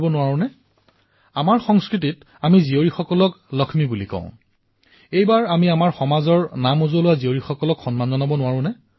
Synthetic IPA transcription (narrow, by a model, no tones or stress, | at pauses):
bɔnʊwaɹʊ̃nɛ | amaɹxɔŋskɹit̬it | amizioɹixɔkɔlɔk | lɔkʰmibulikɔ̰̃ʊ̃ | ejbaɹamiamaɹxɔmazɔɹnamozolʊwazioɹixɔkɔlɔkxɔnmanːɔnabɔnʊwaɹʊ̃nɛ